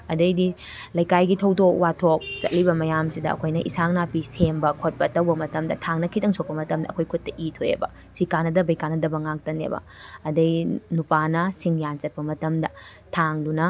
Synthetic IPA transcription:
ɐdɐjdi | lɐjkajɡitʰɐwtok̚watʰok̚t͡ʃɐt̚libɐmɐjamsidɐɐ̰kʰojnɐʔḭsaŋnapisembɐkʰot̚pɐtɐwbɐmɐtɐmdɐtʰaŋnɐkʰitɐŋsokpɐmɐtɐmdɐkʰojkʰut̚ːɐʔitʰoḛbɐ̰ | sikanːɐdɐbɐjkanːɐdɐbɐŋak̚tɐnḛbɐ̰ | ɐdɐjnupanɐsiŋjant͡ʃɐt̚pɐmɐtɐmdɐ | tʰaŋdunɐ

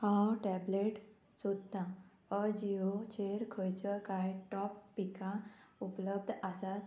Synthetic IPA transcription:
hãwʈɛbleʈ | sud̪t̪ːã | əd͡ʑiot͡ɕeɾkʰəjt͡ɕəkajʈɔpːikaupləb̚d̪ʱəsat̪

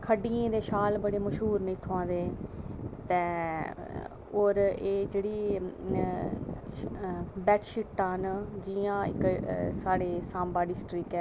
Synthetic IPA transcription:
kʰəɖiːẽːd̪eːʃaːlbəɽeːməʃɦuːɾnĩːt̪ʰʊãːd̪eː | t̪ɛ̃ː | oːɾeːd͡ʒeːɽiː | bɛːʈʃɪʈːãːnd͡ʒiãːɪ̰ksaːɽeːsãːmbaːɖɪsʈɾɪkɛː

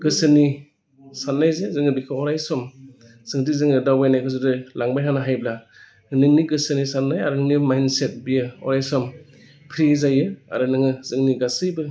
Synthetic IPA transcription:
ɡ̥ɯsɯni | sanːajzezɯŋɯbikʰɯɔɾajsɔm | z̥ɯŋdizɯŋɯdawbajnajkʰɯzɯdɯlaŋbajɦanaɦajbla | ɯnɯŋniɡɯsɯnisanːajaɾɯŋnimajnset̚bijɯɔ̰ɾajsɔm | pʰɾizajɯa̰ɾɯnɯŋɯz̥ɯŋniɡasɯjbɯ

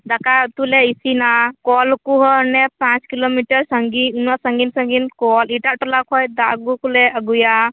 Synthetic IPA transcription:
d̪akʰat̪uleisinakɔlkuɦɔnepãt͡ʃkilomiʈəɾsəŋɡiunwasəŋɡinsəŋɡinkɔliʈaʔʈɔlakʰɔjd̪aɡukulɛʔəɡuja

